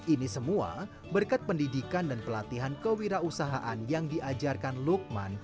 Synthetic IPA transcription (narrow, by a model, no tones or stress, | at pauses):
ʔinisəmua̰ | bərkat̪̚pəndidikandanpəlat̪iɦankəwiɾausaɦaʔanjaŋdiʔad͡ʒarkanluk̚ma̰n